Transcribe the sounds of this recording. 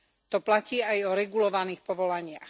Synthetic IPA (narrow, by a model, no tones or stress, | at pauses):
t̪ɔplaciːajɔɾɛɡulɔʋaniːxpɔʋɔlaɲɪa̰x